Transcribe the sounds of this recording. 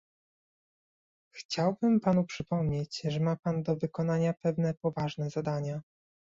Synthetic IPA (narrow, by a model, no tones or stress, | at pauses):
xt͡ɕawbɘmpanupʂɘpɔmɲet͡ɕʐɛmapand̪ɔvɘkɔn̪aɲapɛvnɛpɔvaʐnɛzad̪aɲa